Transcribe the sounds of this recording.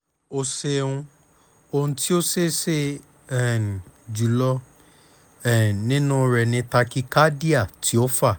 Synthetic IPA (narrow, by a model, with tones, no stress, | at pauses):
o˧se˧ũ˧ | o˧nũ˧ti˦o˦se˦˨se˦ | ɛ˨n˨d͡ʒu˨lɔ˧ | ɛ˨nĩ˦nũ˦˧ɾɛ˨nĩ˧ta˧ki˦ka˦di˦a˦˨tʰi˨˦o˦fa˦˨